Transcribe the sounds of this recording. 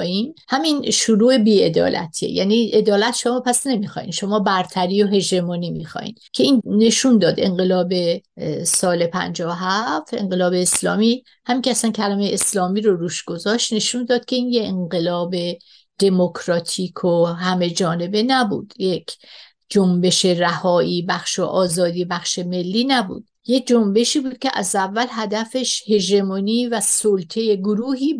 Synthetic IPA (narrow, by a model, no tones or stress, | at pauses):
inhæminʃuɾuːe̞biːe̞d̪ɒ̰ːlʔæ̰t̪ʰiḛjæ̰ːniʔe̞d̪ɒːlæt̪ʃomɒːpʰæsne̞mixɒ̰ːḭnʃo̞mɒːbæɾt̪ʰæɾiːo̞ɦe̞ʒemɒːnimixɒ̰ːjḭːncʰe̞iːnːe̞ʃund̪ɒːd̪e̞̰ŋɢe̞lɒːbe̞sɒːle̞pʰæ̰nd͡ʒɒːoɦæft̪e̞̰ŋɢe̞lɒːbeːslɒ̰ːmi | hæmiːŋcʰeæsæncʰælæmejeeslɒːmiːɾoɾuːʃɡ̥o̞zɒʃt̪ne̞ʃund̪ɒːd̪̥̚kʲʰe̞iːnjeeŋɢe̞lɒːbe | d̪̥e̞mokʰɾɒt̪ʰiːkʰoɦæme̞d͡ʒɒːne̞be̞næbṵːd̪̥jekʰ | d͡ʒombe̞ʃe̞ræhɒːʔiːbæχʃoʔɒːzɒːd̪iːbæχʃe̞me̞lːiːnæbṵd̥̪̚je̞k̚d͡ʒombe̞ʃiːbuːd̪̥̚cʲʰeʔæ̰zævːælɦæd̪æfe̞ʃhe̞ʒemoniːvæsolt̪ʰe̞je̞ɡoɾuːɦiː